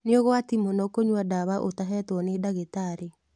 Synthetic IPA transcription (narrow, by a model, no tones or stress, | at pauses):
neoɣɔatimonɔkoɲwadaβaʔotaɦɛtwɔnedaɣetaɾe